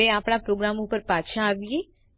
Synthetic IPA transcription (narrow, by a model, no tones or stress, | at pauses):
eapɽ̃apɾoɡɾamopəɾpat͡ʃʰãːʋije